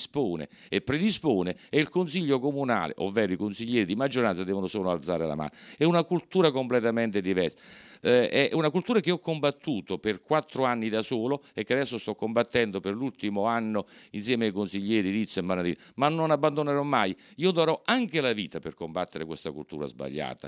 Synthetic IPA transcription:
spoːnḛ | epːɾed̪ispoːneeilkonsiʎːokomuna̰ːlḛʔo̰vːɛːɾoikonsiʎːɛːɾid̪imad͡ʒːoɾant̪sad̪ɛːvonosoːloalt̪saːɾela̰ma̰ːnaɛunakult̪uːɾakomplet̪amɛnt̪ed̪ivɛrsḁ | ɛunakult̪uːɾakeɔkːombat̪ːuːt̪operkwat̪ːɾoanːid̪asoːloekːead̪ɛsːost̪ɔkːombat̪ːɛnd̪operlult̪imoanːoinsjɛːmeajkonsiʎːɛːɾiɾit̪sːoemːanaɾiːn | manːonabːand̪oneɾɔmːajiːod̪aɾɔaŋkelaviːt̪aperkombat̪ːeɾekwest̪akult̪ṵːɾa̰zba̰ʎːa̰ːt̪a̰

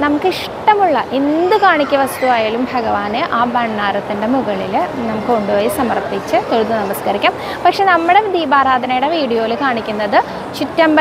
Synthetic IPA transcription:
nɐmukːɨiʂ | ʈɐmuɭːɐʔend̪ɨkaːɳikʲːɐʋɐst̪uʋaːjaːɭumbʱɐɡɐʋaːnɨʔaːbɐɳːaːɾɐt̪ːinde̞muɣɐɭilnɐmukːɨkoɳɖuʋɐːjisɐmɐrt̪it͡ɕːɨt̪oɻut̪ːɨnɐmɐskɐɾikʲːuːm | pɐkʂe̞nɐmːɨɽe̞ʋid̪iːbaːɾaːd̪ʱɐnɐjuɽeʋiːɽijoːilkaːɳikʲːunːɐðɨ | t͡ɕitːɐmb

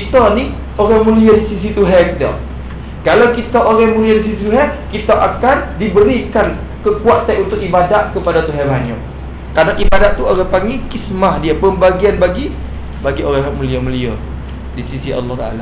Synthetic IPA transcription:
kit̪ani | ʔoɾamuliədisis̬it̪uɦɛk̚dɔ̰ | kalawkit̪aʔoɾɛhmuliədisisit̪uɦɛʔ̚kit̪aʔakandibəɾikan | kəkuaʔt̪aʔunt̪ʊk̚ibadaʔ̪̚kəpadat̪uɦɛbaɲɔ̰ʔ̚ | kanaʔibadaʔt̪uoɣapaŋikismahdiapəmbaɡianbaɡi | baɡiʔoɾɛɦɛʔ̚mũliəməliə | disisiʔɑ̰lːɑht̪aʔa̰la

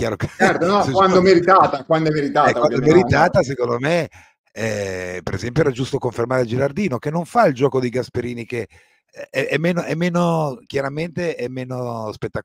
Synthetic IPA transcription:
k̟jaːɾoket͡ʃɛrt̪onɔskwand̪oɛmːeɾit̪aːt̪akwand̪oɛmːeɾit̪aːɛk̪awand̪oɛmeɾit̪aːt̪as̬ekond̪ome | ɛpeɾezɛmpjoɛɾad͡ʒust̪okoɱfermaːɾed͡ʒiɾard̪iːnokenːoɱfaild͡ʒɔːkod̪iɡaspeɾiːnike | ɛɛmːeːnoʔɛmːeːnok̟jaɾament̪eɛmːeːnospet̪ːa

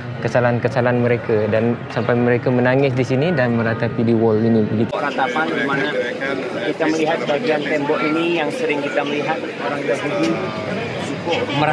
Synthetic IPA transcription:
kəsalankəsalanməɾekadansampajməɾekamənaŋɪsdisinidanməɾat̪apidiwɔlinibəɡitɾat̪apanɡimana | kit̪aməliɦat̪̚baɡiant̪ɛmbɔkinijaŋsəɾɪŋkit̪aməliɦat̪̚ | oɾaŋdaɦudi | d͡ʒukʊʔməɾa

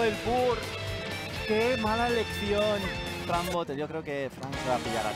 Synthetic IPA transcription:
elpuɾ | kemalaeleksjon | t̪ɾambot̪ejokɾeokefɾaŋkɾapiʎa̰ɾa̰

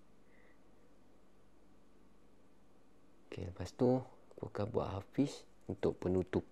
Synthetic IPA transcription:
kḛləpast̪o | kṵkabua̰ʔhafis | unt̪ʊʔpənut̪ʊp̚

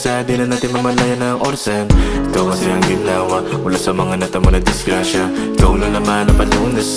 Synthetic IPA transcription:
sad̪ɪnɐnaːt̪ɪnmɐmɐlajɐnɐŋʔoɾsanʔɪkawkɐsɛʔɐŋɡɪnaːwɐʔʊlasɐmɐŋanɐt̪ɐmonɐd̪ɪsɡɾaʃɐ | ɪkawnʊlɐmanɐpɐlunɛs

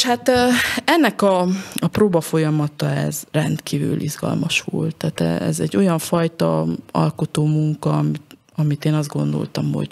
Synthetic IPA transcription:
ʃhat̪ːɛnːɛkɒɒproːbɒfo̞jɒmɒt̪ɒɛzrɛnt̪kiːvy̰ːlʔizɡɒ̰lmɒʃʋo̰lt̪ːaːt̪ɛɛzɛɟːo̞jɒɱfɒjt̪ɒ̰ɒlkot̪oːmuŋkɒmi | ɒmit̪eːnɒzd̪̚ɡo̞̰nd̪o̞̰lt̪ɒmho̞̰ɟ

